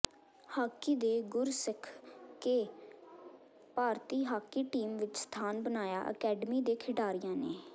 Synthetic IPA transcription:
haːkiːd̪eːɡʊɾsəkʰkeː | paːɾt̪iːɦaːkiːʈiːmʋɪt͡ʃst̪ʰaːnbənaːja̰ːʔə̰kɛːɖmiːd̪eːkʰɪɖaːɾɪjãːneː

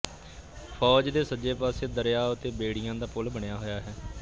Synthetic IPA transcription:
pʰɔːd͡ʒd̪eːsəd͡ʒeːpaːseːd̪əɾjaːʊt̪eːbeːɽɪjãːd̪aːpʊlbəɳɪjaːɦojaːɦɛː

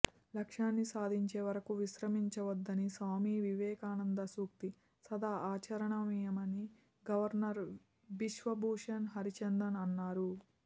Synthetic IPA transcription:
lɐkʂaːnːisaːd̪ʱiɲt͡ʃeːʋɐɾɐkuʋiʃɾɐmiɲt͡ʃɐʋɐd̪ːɐnisaːmiːʋiʋɛːkaːnɐnd̪ɐsuːkt̪i | sɐd̪aːaːt͡ʃɐɾɐɳɐmijɐmɐni | ɡɐʋɐɾnɐɾ | ʋiʃʋɐbʱuːʂɐnɦɐɾit͡ʃɐnd̪ɐnɐnːaːɾu

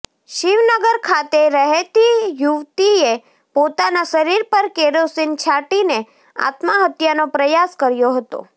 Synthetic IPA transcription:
ʃiʋnəɡəɾkʰat̪eɾəɦet̪ijuʋt̪ie | pot̪anaʃəɾiɾpəɾkeɾosint͡ʃʰaʈine | a̰t̪maɦət̪janopɾəjaskəɾjoɦət̪o̰

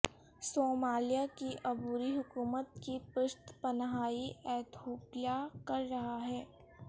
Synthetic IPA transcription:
soːmaːlijakiʔɐbuːɾiɦʊkuːmət̪̚kipʊʃt̪pɐnɦaːiɛːt̪ʰoːpjakɐɾːɐɦaɦɛː

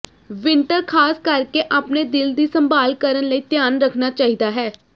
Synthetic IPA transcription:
ʋɪɳʈəɾkʰaːskəɾkeːʔaːpneːd̪ɪld̪iːsəmbaːlkəɾənləiːt̪jaːnɾəkʰnaːt͡ʃaːɦiːd̪aːɦɛː

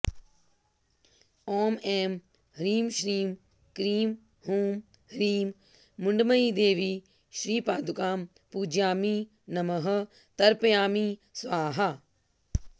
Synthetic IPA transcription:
oːmeːm | hɾiːmʃɾiːm | kɾiːm | huːm | hɾiːmː | ʊɳɖmɐid̪eːʋiː | ʃɾiːpaːd̪ukaːm | puːd͡ʒjaːmiː | nɐmɐɦɐ̆ | t̪ɐɾpɐjaːmisʋaːɦɐ

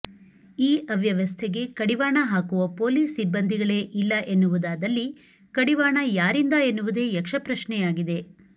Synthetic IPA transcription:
iːʔɐʋjɐʋɐst̪ʰeɡe̞kɐɽiʋaːɳɐɦaːkuʋɐpo̞ːliːsibːɐnd̪ʱiɡɐɭe̞ʔilːɐʔenːuʋud̪aːd̪ɐlːi | kɐɽiʋaːɳɐjaːɾind̪ɐenːuʋud̪e̞jɐkʂɐpɾɐʃɳɛjaːɡid̪e̞

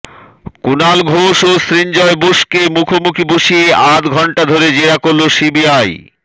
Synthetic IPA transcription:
kunalɡʱoʃosɾiɲd͡ʑɔeboʃkemukʰomukʰiboʃieʔat̪ɡʱɔɳʈad̪ʱoɾed͡ʑeɾakoɾlːosibiaj

